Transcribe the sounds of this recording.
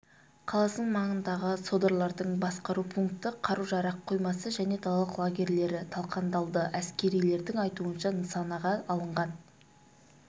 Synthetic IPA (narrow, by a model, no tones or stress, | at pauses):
qʰɑlˠɑsəɴmɑɴənd̪ɑʁəso̞d̪oɾlˠɑɾd̪əɴbɑsqɑɾupʰuŋkt̪əqʰɑɾuʒɑɾɑqʰːo̞jmɑsəʒæne̞t̪ʰɑlˠɑlˠəqlˠaɡʲe̞ɾle̞ɾɪt̪ʰɑlˠqɑnd̪ɑlˠd̪əʔæskʲe̞ɾijle̞ɾd̪ɪŋɑjt̪uənʃɑnəsɑnɑʁɑːlˠəɴʁɑn